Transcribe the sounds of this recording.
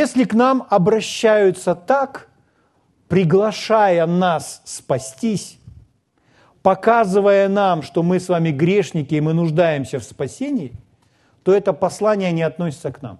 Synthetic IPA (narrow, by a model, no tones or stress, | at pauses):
jesʲlʲɪknamɐbɾɐɕːæjʊt̪sət̪ak | pɾʲɪɡlˠɐʂajənasːpɐsʲtʲisʲ | pɐkazɨvəjənamʂt̪o̞mɨsvamʲɪɡɾʲeʂnʲɪkʲɪːmɨnʊʐd̪ajɪmsʲəfspɐsʲenʲɪː | t̪o̞ɛt̪əpɐslˠanʲɪjənʲɪɐt̪nosʲɪ̥t̪səkna̰m